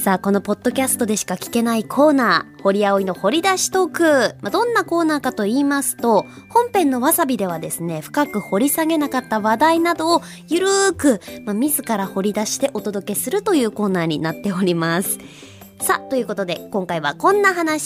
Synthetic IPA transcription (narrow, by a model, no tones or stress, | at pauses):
saːko̞no̞po̞d̪̥ːo̞kʲasɨ̥t̪o̞d̪e̞ɕi̥kakʲi̥ke̞naikʰo̞ːnaːho̞ɾʲiaoino̞ho̞ɾʲid̪aɕi̥t̪o̞kɯ̟mad̪õ̞nːako̞ːnaːkat̪o̞iːmasɨ̥t̪o̞ | hõ̞mpẽ̞nːo̞βasabʲid̪e̞βad̪e̞sɨne̞ɸɯ̟̥kakɯ̟ho̞ɾʲisaɡe̞nakat̪ːaβad̪ainad̪o̞ː | jɯ̟ɾɯ̟ːkɯ̟mamʲizɨkaɾaho̞ɾʲid̪aɕi̥t̪e̞ʔo̞t̪o̞d̪o̞ke̞sɨɾɯ̟t̪o̞jɯ̟ːko̞ːnaːɲ̟inat̪ːe̞o̞ɾʲimasɨ̥ | sat̪o̞jɯ̟ːko̞t̪od̪e̞kõ̞ŋkaiβa̰kõ̞nːaɦanaɕi̥